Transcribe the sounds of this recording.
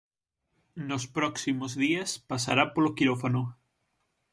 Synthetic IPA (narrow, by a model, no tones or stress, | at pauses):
nospɾɔksimozðiaspasaɾapolokiɾofano